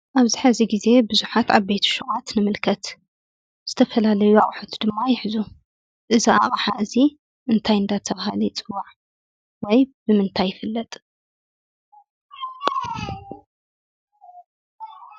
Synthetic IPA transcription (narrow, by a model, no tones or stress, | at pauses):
ʔaβziħaziɡize̞bɨzuħat̪ʰaβbet̪ʰu̥ʃuɣʼat̪nɨmɨlkʰɐt̪ | z̥ɨ̥t̪ʰɐfɐlalɐjuaχʼħot̪ʰd̪ɨmːajɪħzu | ʔɨzia̰χʼħaʔɨzi | ʔɨnt̪ʰajɨnd̪at̪ʰɐβahalit͡sʼɨwːaʕ | wɔjbɨmɨnt̪ʰajːɪfɨlːɐt̪ʼ